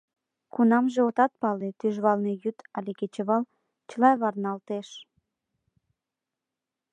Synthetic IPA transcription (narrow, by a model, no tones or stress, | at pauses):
kunɑmʒeot̪ɑt̪̚pɑlet̪yʒβɑlnejyt̪ɑlʲeket͡ɕəβɑl | t͡ɕəlɑβɑrnɑlt̪eʃ